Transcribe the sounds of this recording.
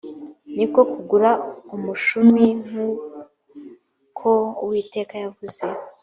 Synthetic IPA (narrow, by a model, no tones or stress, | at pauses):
niko̞kuɡuɾaumuʃumiŋ̥hu | kʰo̞wiːte̞ːkajavuze̞